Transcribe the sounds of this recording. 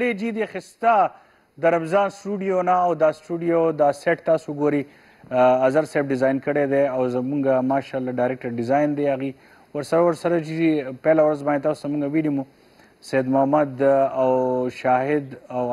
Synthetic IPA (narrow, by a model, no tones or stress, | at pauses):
ɽed͡ʒid̪ixɪst̪a | d̪əɾamzɑːnsʈuɖijonaːwd̪ɑsʈuɖijod̪aseʈ̚t̪ɑːsoɡoɾi | azaɾseb̚ɖɪzajnkəɽed̪eawzmuŋɡamɑʃɑlːaɖajɾek̚ʈəɾɖɪzɑjnd̪eaɣi | waɾsɐɾawaɾsɐɾad͡ʒid̪ipelawɾazbɑnet̪ɑːsu̥t̪amuŋɡawiɖimu | sɐjad̪mʊhamad̪awʃɑɦɪd̪a